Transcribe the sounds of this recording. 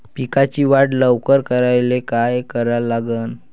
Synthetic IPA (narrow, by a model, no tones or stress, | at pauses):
pikat͡ɕiːʋaʈləʋkəɾkəɾajlekajkəɾalaɡən